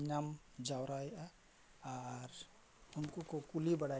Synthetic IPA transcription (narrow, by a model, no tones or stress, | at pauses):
nam | d͡ʒawɾaja | aɾ | ʊnkukokulibəɽa